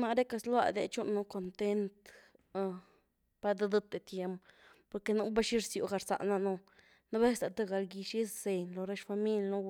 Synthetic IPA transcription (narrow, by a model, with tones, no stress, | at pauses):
na˧ɾe˦ka˧slwa̰˧d̪ḛ˧t͡ʃu˦ʔnːu˧ko˧nt̪e˦nt̪ | pa˧d̪a˦d̪a˦t̪e˨t̪je˧mppo˧ɾke˧nu˦ba˦ʃi˦ɾsju˨ɡa˧ɾsa̰˨ʔna˧nu˧ | na˦be˦st̪a˨t̪a˦ɡa˧lɡi˧ʃi˦sze˨nlo˧ɾa˦ʃfa˧mi˦lʲnu˦